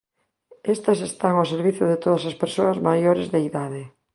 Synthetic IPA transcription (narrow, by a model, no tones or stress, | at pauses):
est̪ɐsest̪aŋoseɾβiθjʊðet̪oðɐsaspeɾsoɐzmajoɾezðeiðaðe